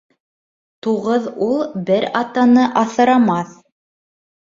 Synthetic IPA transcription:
t̪uʁɤðulˠbɘɾɑt̪ɑnɤʔɑθɤ̆ɾɑmɑθ

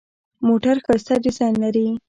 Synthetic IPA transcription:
moʈaɾxɑst̪adizɑjnlaɾi

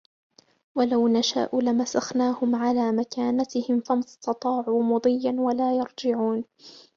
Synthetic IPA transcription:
walawnaʃa̰ːʔʊlamasaxnaːhʊmʕalaːmakaːnat̪ɪhɪmfamɑst̪ɑt̪ˤɑːʕuːmʊd̪ˤɨjːanwalaːjɑɾˤd͡ʒɪʕuːn

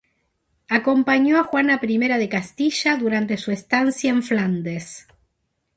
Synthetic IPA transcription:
ako̞mpaɲo̞axwanapɾime̞ɾaðe̞kast̪iʃaðuɾant̪esuest̪ansjaeɱfland̪es

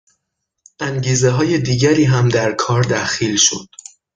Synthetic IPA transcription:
ʔæŋɟiːze̞ɦɒːje̞d̪iːɟæɾiːɦæmd̪æɾkʰɒːɾd̪æxiːlʃo̰d̪̥

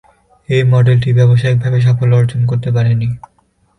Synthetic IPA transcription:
ejmɔɖelʈibɛboʃ̬aik̚bʱabeʃ̬ɔfolɔɾot͡ɕonkoɾt̪ep̬aɾeni

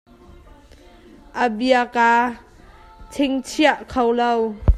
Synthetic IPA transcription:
ʔəbiaka | t͡sʰɪŋt͡sʰiaʔkʰowlow

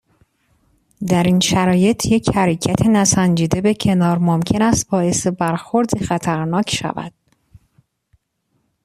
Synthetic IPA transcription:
d̪æɾinʃæɾɒːje̞t̪ʰje̞chæɾecʰæt̪ʰenæsænd͡ʒiːd̪e̞becʰe̞nɒːɾmomcʰe̞næst̪̚bɒːje̞sebæɾxo̞ɾd̪ixæt̪ʰæɾnɒːcʰʃæ̰væ̰d̪̥

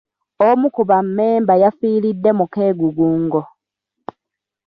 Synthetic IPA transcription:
omukuβamːe̞ːmbajafiːɾidːe̞muke̞ːɡuɡuːŋɡo

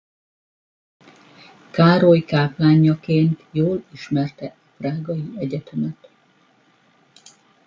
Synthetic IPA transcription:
kaːɾojkaːplaːɲːɒkeːnt̪joːliʃmɛrt̪ɛʔɒfraːɡɒjiɛɟɛt̪ømɛt̪

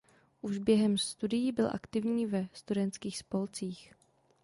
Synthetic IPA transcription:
ʔuʒbjɛɦɛmst̪udɪjibɪlʔa̰kt̪ɪvɲiːvɛst̪udɛnt̪kiːxspo̞lt͡siːx

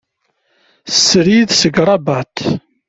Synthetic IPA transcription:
sːəɾiðsəɡɾˤɑbat̪

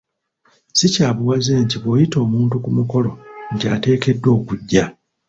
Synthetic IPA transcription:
sicaːβuwazeːnciβwojito̞ːmuːntukumuko̞lo̞ɲcate̞ːke̞dːo̞ːkuɟːa

